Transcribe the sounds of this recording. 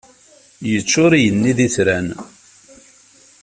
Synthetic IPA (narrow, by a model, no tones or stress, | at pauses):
jət͡ʃːʊɾijənːiðiθɾæn